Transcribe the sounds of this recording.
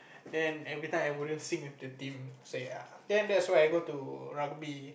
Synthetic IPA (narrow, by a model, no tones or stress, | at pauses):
dɛ̃nɛvɹit̪ãj̃ajwudə̃nsĩŋfdut̪ĩmseadɛ̃ndɛtswajajɡot̪uɹaɡ̚bi